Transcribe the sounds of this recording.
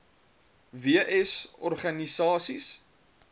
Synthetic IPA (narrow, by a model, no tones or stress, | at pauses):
viəʔɛsɔrχɐnisɑːsis